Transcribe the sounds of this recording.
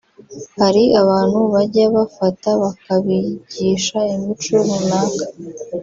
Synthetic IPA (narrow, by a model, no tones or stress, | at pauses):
haɾiaβaːn̥huβaɟaβafataβakaβiɟiːʃaimit͡ʃomunaːkḁ